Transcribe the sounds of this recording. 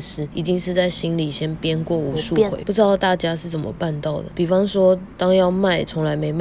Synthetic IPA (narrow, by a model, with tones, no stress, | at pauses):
ʂɻ̩˥i˨˩t͡ɕi˥ŋʂɻ̩˥˧t͡sa˥˩ɪɕi˥nli˨˩ɕjɛ˥npjɛ˥nkwɔ˥˩u˧˥ʂu˥˧kwḛ˨˦pu˥˧ʈ͡ʂɻ̩˥d̪ɑ˥˧ʊt̪a˥˩t͡ɕja˥ʂɻ̩˥˩t͡sə˨˩nmə̰˦pa˥˧nt̪ɑ˥˩ʊd̪ə˨˩pi˨˩fɑ˥ŋswɔ˥t̪ɑ˥ŋjɑ˥˧ʊma˥˩ɪt͡sʰʊ˧˥ŋla˧˦ɪme˧˥ɪma˥